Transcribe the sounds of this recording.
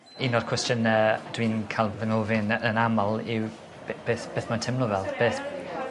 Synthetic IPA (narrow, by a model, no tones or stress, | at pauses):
inɔd̥kʰw̥ɛstənəd̥wiːnkʰalˠvənovɪnənaməlˠɪw | bb̥eːθb̥eːθmantʰɪmlɔvɛlˠðb̥eːθ